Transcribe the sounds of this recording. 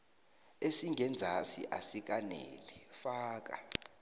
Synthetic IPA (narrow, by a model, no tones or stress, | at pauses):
esiŋʱɛnd͡zʱasḭʔa̰sik̬ʼanḛlifaːk̬a̰